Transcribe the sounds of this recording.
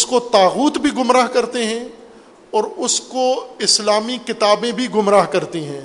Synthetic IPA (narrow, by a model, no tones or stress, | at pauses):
skot̪aːɣuːt̪bʱiɡʊmɾaːɦkɐɾt̪eɦɛ̃ | ɔːɾʊskoɪslaːmikɪt̪aːbẽbʱiɡʊmɾaːɦkɐɾt̪eɦɛ̃ː